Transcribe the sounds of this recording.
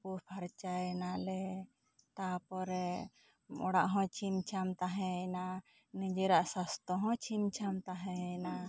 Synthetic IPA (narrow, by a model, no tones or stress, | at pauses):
upʰaɾt͡ʃajɛnalɛ | t̪apɔɾɛ | ɔɽa̰ʔɦɔ̃t͡ʃʰimt͡ʃʰamt̪aɦɛ̃na | nĩd͡ʒɛɾaʔsast̪ɔɦɔ̃t͡ʃʰimt͡ʃʰamt̪aɦɛ̃na